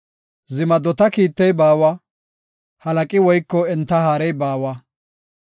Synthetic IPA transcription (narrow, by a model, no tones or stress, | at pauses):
zɪmɐd̪ɔt̪ɐkiːt̪ːɛjbaːwa | hɐlɐkʼɪwɔjkːɔɛnt̪ːɐhaːɾɛjbaːwa